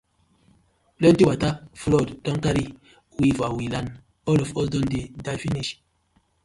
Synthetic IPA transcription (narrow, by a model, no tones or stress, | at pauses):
plɛ̃ntiwataflɔdtɔ̃ŋkaɾi | wivawilãn | ɔlɔfɔldɔ̃ndedajfiniʃ